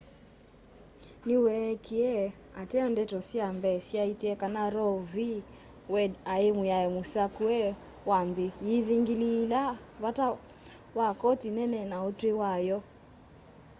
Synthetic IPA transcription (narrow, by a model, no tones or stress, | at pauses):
niwɛkʰiɛ | atɛɔndɛtɔsiambɛsiaitiɛkanaɾɔvi | wɛdaɛmuaɛmusakuɛ | wanðijiðiŋɡilila | βata | wakɔtinɛnɛnaɔtwɛwajɔ